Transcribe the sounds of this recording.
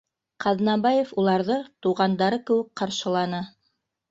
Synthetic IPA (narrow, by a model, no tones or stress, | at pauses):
qʰɑðnɑbɑjefulˠɑɾðɤt̪uʁɑnd̪ɑɾɤkɘ̆wɘk̚qɑɾʃɤ̆lˠɑnɤ